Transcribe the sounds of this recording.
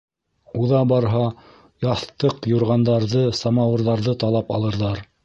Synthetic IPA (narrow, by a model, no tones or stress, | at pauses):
uðɑbɑɾɦɑ | jɑθt̪ɤqjuɾʁɑnd̪ɑɾðɤsɑmɑwɤ̆ɾðɑɾðɤt̪ɑlˠɑpɑ̰lˠɤ̆ɾðɑɾ